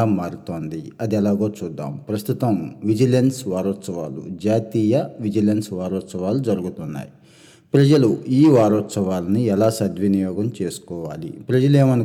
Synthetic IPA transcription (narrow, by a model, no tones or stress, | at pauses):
aːmaːɾut̪o̞ːnd̪iɐd̪iɛlaːɡoːt͡ʃuːd̪ːa̰ːmpɾɐst̪ut̪ɐmʋid͡ʒilensʋaːɾɔːt̪sɐʋaːlṵd͡ʒaːt̪iːjɐʋid͡ʒilensʋaːɾɔːt̪sɐʋaːlud͡ʒɐɾuɡut̪unːa̰ːji | pɾɐd͡ʒɐluiːʋaːɾɔːt̪sɐʋaːlɐniɛlaːsɐd̪ʋɐnijɔːɡɐmt͡ʃe̞ːsu̥kɔːʋaːlḭpɾɐd͡ʒɐleːmɐnɐ